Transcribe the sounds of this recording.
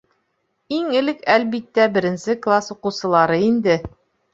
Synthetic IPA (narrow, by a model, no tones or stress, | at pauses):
iŋɘ̆lɘkælbit̪ːæbɘ̆ɾɘ̆nsɘklˠasuqɤ̆wsɤ̆lˠɑɾɤind̪ɘ